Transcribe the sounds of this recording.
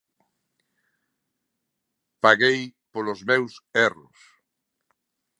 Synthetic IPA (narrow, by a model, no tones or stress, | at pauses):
paɣejpolozmewsɛrʊ̰s